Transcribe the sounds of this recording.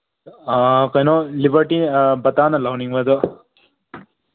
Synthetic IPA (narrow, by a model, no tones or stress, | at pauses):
kɐjnolibɐɾʈibɐt̪aːnɐlɐwnĩŋʋɐd̪o